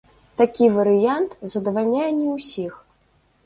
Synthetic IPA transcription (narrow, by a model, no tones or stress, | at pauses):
t̪akʲivɐɾɨjant̪zɐd̪ɐvalʲnʲajɛnʲɛwsʲix